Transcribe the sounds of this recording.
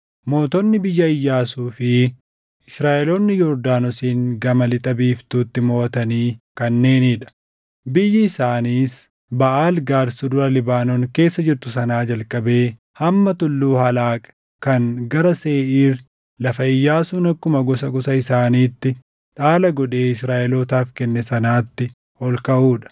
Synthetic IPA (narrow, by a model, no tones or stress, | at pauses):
mo̞ːt̪ɔnːɪbɪjːɐɪjːaːsuːfɪ | ɪsɾaːʔɛloːnːɪjɔɾd̪aːnɔsiːŋɡɐmɐlɪt̪ʼɐbiːft̪uːt̪ːɪmoːt̪ɐniːkɐnːe̞ːniːᶑɐ̥ | bɪjːɪɪsaːniːs | bɐʔaːlɡaːɾsʊd̪ʊɾɐlɪbaːnɔŋke̞ːsːɐd͡ʒɪɾt̪ʊsɐnaːd͡ʒɐlkʼːɐbe̞ː | hɐmːɐt̪ʊlːuːhɐlaːkʼɐ̥ | kɐnɡɐɾɐse̞ːʔiːɾ | lɐfɐɪjːaːsʊːnɐkːʊmɐɡɔsɐɡɔsɐɪsaːniːt̪ːɪ | ᶑaːlɐɡɔᶑe̞ːɪsɾaːʔɪloːt̪aːfkɛnːɛsɐnaːt̪ːɪ | hɔlkɐʔuːᶑɐ̥